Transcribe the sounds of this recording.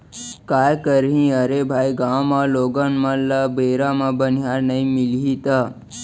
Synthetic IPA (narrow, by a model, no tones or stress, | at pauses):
kajkəɾɦĩəɾebʱajɡamaloɡənmãləbeɾãmãbənijaɾnəĩmilɦit̪a